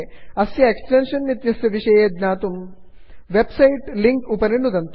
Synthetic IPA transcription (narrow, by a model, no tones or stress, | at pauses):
ɐsieksʈenʂɐnnit̪jɐsjɐʋiʂɐjed̪naːt̪um | ʋebsɐiʈliŋkupɐɾinud̪ʱɐnt̪